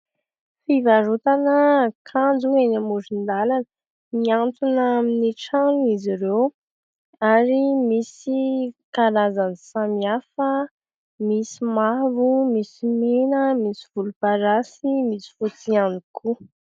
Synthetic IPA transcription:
fivaɾut̪anəkʰand͡zuenamuzind̪alanə | miant͡s̪unaminiʈ͡ʂanuiziɾew | aɾimisikaɾazansamiafə | misimavumisimenəmisiv̥ulupaɾasimisi̥fut͡sianikʰu

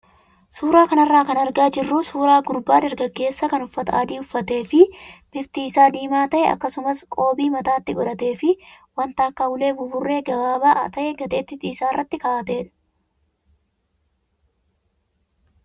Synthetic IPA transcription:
suːɾaːkɐnɐrːaːkɐnɐɾɡaːd͡ʒɪrːuːsuːɾaːɡʊɾbaːd̪ɐɾɡɐɡe̞ːsːɐkɐnʊfːɐt̪aːd̪iːʊfːɐt̪e̞ːfɪb̥ɪft̪iːɪsaːd̪iːmaːt̪ɐʔɛɐ̰kːɐsʊmɐskʼo̞ːbiːmɐt̪aːt̪ːɪɡɔᶑ̪ɐt̪e̞ːfɪ | wɐnt̪aːkːɐhʊle̞ːbʊbʊrːe̞ːɡɐbaːbaːʔɐt̪ɐʔɛɡɐt̪ʼe̞ːt̪ːɪt̪iːsaːɪrːɐt̪ːɪkaːɐt̪e̞ːᶑ

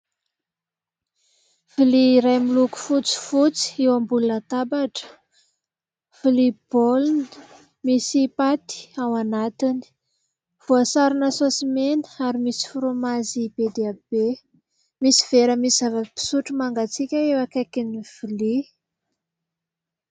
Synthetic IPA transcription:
filiɾajmiluku̥fut͡si̥fut͡si̥ewambulunət̪abaʈ͡ʂə̥ | filiboln | misipat̪i̥awanat̪ini̥ | v̥uasaɾunəsosimenəaɾimisi̥fuɾomazib̥ed̪eab̥e | misi̥v̥eɾəmisizavəpi̥suʈ͡ʂumaŋɡat͡sikʲəewakekiniv̥ili

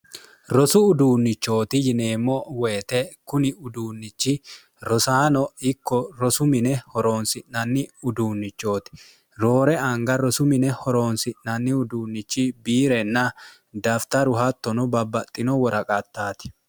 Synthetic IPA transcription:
ɾɔsʊʊd̪uːnːɪt͡ʃːo̞ːt̪ɪjɪne̞ːmːɔweːt̪ɛkʊnɪʊd̪uːnːɪt͡ʃːɪ | ɾɔsaːnɔɪkːɔɾɔsʊmɪnɛhɔɾo̞ːnsɪʔnɐnːɪʊd̪uːnːɪt͡ʃːo̞ːt̪ɪ̥ | ɾo̞ːɾɛɐŋɡɐɾɔsʊmɪnɛhɔɾo̞ːnsɪʔnɐnːɪʊd̪uːnːɪt͡ʃːɪbiːɾɛnːɐ | d̪ɐft̪ɐɾʊhɐt̪ːɔnɔbɐbːɐt̪ʼːɪnɔwɔɾɐkʼɐt̪ːaːt̪ɪ̥

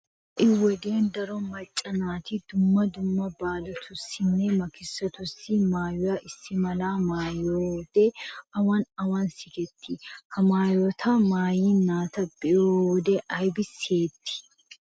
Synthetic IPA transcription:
ʔɪwɔd̪eːnd̪ɐɾɔmɐt͡ʃʼːɐnaːt̪ɪd̪ʊmːɐd̪ʊmːɐbaːlɔt̪ʰʊsːɪnːɛmɐkɪsːɐt̪ʊsːɪmaːjʊjaːʔɪsːɪmɐlaːmaːjoːd̪̥ɛɐwɐnɐwɐnsɪkɛt̪ʰːɪhɐmaːjot̪ʰɐmaːjiːnaːt̪ɐb̥ɛjoːd̪ɛʔɐjbɪseːt̪ʰːɪ̥

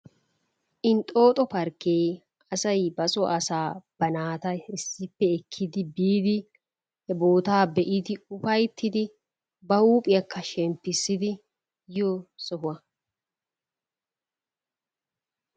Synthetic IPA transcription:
ʔɪnt̪ʼo̞ːt̪ʼɔpɐɾkːej | ɐsɐjbɐsɔʔɐsaːb̥ɐnaːt̪ɐɪsːɪpːɛɛkʰːɪd̪ɪbiːd̪ɪ | hɛbo̞ːt̪aːbɛʔɪd̪ɪʊfɐjt̪ʰːɪd̪ɪ | bɐhuːpʼɪjɐkːɐʃɛmpːɪsːɪd̪ɪ | joːsɔɦʊwɐ

